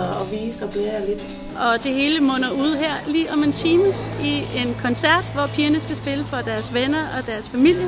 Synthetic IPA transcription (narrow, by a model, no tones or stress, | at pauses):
ɒʋiːsɒb̥lɛːɐle̝d̥ | ʔɒ̽d̥e̝ɦe̝ːləmɔ̽nɐuð̞̰ˠɦeɐ̰liːʔɒ̽me̝nt͡sʰiːməie̝nkʰɒ̽nsæɐ̰d̥ʋɒpʰiːɐnəsɡ̥æsb̥e̝ləfɒ̽d̥æɐsʋenɐʔɒ̽d̥æɐsfæmil̰jə